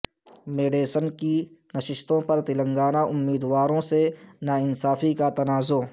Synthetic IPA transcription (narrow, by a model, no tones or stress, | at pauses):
meːɖeːsənkinɐʃɪʃt̪õpɐɾt̪ɪlə̃ŋɡaːnaʔʊmːiːd̪waːɾõsenaːɪnsaːfikat̪ɐnaːzoː